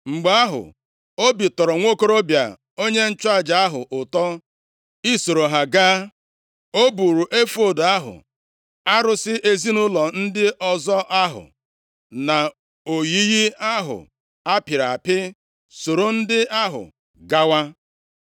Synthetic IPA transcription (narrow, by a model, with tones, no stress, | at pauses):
ŋ͡m̩˨ɡ͡ba˦ɦʊ̰˨ | o˦bi˨tɔ˨ɾɔ˨ŋʷo˦ko˦ɾo˦bja̰˨ | o˦ɲe˦n̩˦t͡ʃa˦˨d͡ʒa˨a˦ɦʊ̰˨ʔʊ˨tɔ˦ | i˦so˨ɾo˨ɦa˨ɡaː˦ | o˦bu˨ɾu˨ʔe˦fo˨da˦ɦʊ̰˨ | a˦ɾʊ˨sɪ˦ʔe˦zi˦nʊ˦lɔ˨n̩˦dɪ˦ʔɔ˨zɔ˦ʔa˦ɦʊ̰˨ | na˨ | o˨ji˦ɣi˦a˦ɦʊ̰˨ | a˦pɪ˨ɾa˨pɪ˦ | so˨ɾo˨n̩˦dɪ˦ʔa˦ɦʊ̰˨ | ɡa˦wa˦